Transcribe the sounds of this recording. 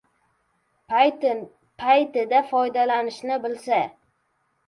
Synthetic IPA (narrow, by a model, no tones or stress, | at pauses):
pʰajt̪ɪd̪afɒjd̪alanɪʃnɪbɪlsa